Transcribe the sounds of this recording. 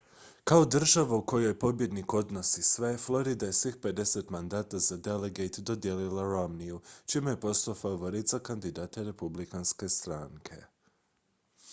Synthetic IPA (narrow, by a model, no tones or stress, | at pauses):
kao̞d̪r̩ʒaʋauko̞jo̞jpo̞bje̞d̪niko̞d̪no̞sisʋe̞flˠo̞ɾid̪aje̞sʋixpe̞d̪e̞set̪mand̪aːt̪azad̪e̞leɡet̪d̪od̪jelilaɾomnijut͡ʃimejepo̞st̪afaʋo̞ɾit̪zakand̪id̪at̪aɾe̞publikanske̞st̪ɾaːŋkʰe̞̰